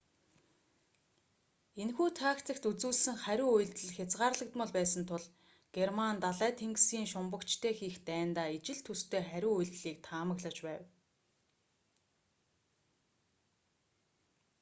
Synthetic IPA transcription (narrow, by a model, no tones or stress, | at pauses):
enxuːt̪ʰaːkt͡sə̆kt̪ut͡suːɮsɘ̆ŋχæɾʲʊːuj̆ɮt̪ɘ̆ɮxʲat͡sʁaːrɮə̆kt̪mʊ̆ɮpæːsə̆nt̪ʰʊɮ | ɡ̥ermant̪aɮæːt̪ʰeŋɡsɡiːŋʃʊmpə̆kt͡ɕt̪ʰeːxiːxt̪æːnt̪aːit͡ɕɪ̆ɮt̪ʰːust̪ʰeːχæɾʲʊːujɮt̪ɮiːk̚t̪ʰaːmə̆ɣɮə̆t͡ɕpæːw